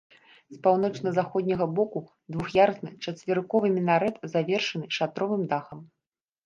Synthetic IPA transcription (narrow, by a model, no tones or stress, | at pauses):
spawn̪ɔt͡ʂnɐzaxɔd̪ʲnʲɐɣɐbɔku | d̪vuxjarsnɨt͡ʂɐt͡sʲvʲɪrkɔvɨmʲinaɾɛt̪zavʲɛrʂɐnɨʂat̪ɾɔvɨmd̪axɐm